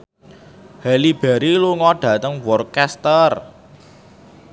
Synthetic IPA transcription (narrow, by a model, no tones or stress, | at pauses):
hɛlib̥ɛ̤ɾiluŋɔɖ̥ä̤t̪əŋwɔrkɛst̪ər